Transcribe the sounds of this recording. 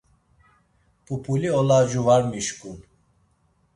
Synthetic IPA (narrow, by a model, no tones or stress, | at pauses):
pʰʼupʰuliɔlad͡ʒuvaɾmiʃkʼun